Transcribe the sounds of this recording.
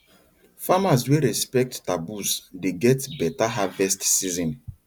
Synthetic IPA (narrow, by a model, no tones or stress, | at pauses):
famaswɛɾɛspɛk̚ttabusdeɡɛtbɛtaɦavɛstsizɔ̃n